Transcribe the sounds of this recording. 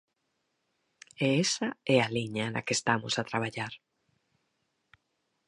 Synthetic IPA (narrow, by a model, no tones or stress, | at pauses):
eesaɛaliɲana̰kest̪amo̰sat̪ɾaβ̞aʎaɾ